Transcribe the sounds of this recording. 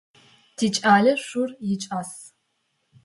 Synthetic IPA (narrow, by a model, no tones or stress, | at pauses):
tʰiːt͡ʃʼaːɮɐɕʷʊrjɪt͡ʃʼaːs